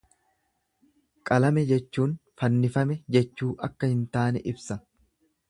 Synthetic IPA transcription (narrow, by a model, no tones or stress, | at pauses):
kʼɐlɐmɛd͡ʒɛt͡ʃːuːnfɐnːɪfɐmɛd͡ʒɛt͡ʃːuːʔɐkːɐhɪnt̪aːnɛʔɪbsɐ